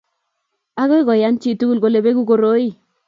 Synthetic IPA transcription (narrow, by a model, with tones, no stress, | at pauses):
a˦ɣo˦i˦ɡɔ˨ja˦nt͡ʃi˦˨tu˦ɡu˦lɡo˨le˨be˦ku˦ko˨ɾo˦i˦˨